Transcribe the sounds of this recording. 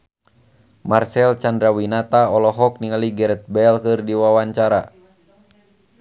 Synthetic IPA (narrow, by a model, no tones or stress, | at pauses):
marsɛlt͡ʃandɾawinat̪aɔlɔɦɔk̚niŋaliɡɛɾɛt̪̚bɛlkɨrdiwawaɲt͡ʃaɾa